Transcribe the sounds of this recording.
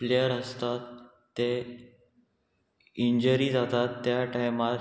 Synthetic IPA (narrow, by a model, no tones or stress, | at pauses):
leəɾəst̪at̪ː | e | iɲd͡ʑəɾiːd͡zat̪at̪ːjaʈajmaɾ